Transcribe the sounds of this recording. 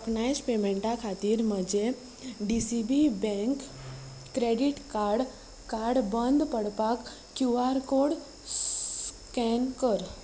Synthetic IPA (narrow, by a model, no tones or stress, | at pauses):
knajspemẽɳʈakʰaːt̪iɾməd͡ʒe | ɖisibibɛ̃ŋkː | ɾeːɖiʈkaɾɖ | kaːɾɖbənd̪pəɽpakː | juaɾkoɽ | s | kɛnkəɾ